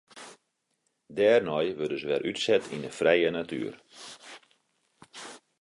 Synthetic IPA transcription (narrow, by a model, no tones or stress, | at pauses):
dɛːrnɔjʋødəsʋɛrʔytsɛtinəfrɛjənaty̰ːər